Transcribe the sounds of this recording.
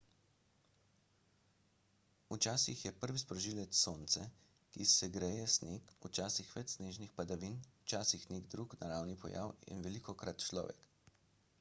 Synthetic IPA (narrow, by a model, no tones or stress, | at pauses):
ut͡ʃaːsixjɛpəɾʋispɾɔʒilɛt̪soːnt̪sɛ | kisɛɡɾɛjɛsnekut͡ʃaːsixʋɛt͡ʃsneːʒnixpad̪aʋinut͡ʃaːsixneɡd̪ɾuknaɾawnipɔ̰ja̰wḭnʋɛlikɔkɾat̪t͡ʃlɔ̰ːʋɛ̰k